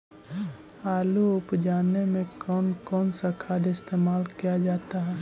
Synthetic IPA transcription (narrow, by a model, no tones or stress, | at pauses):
aːluʊpd͡ʒaːnemẽkɔːnkɔːnsakʰaːd̪ɪst̪eːmaːlkijad͡ʒaːt̪aɦɛː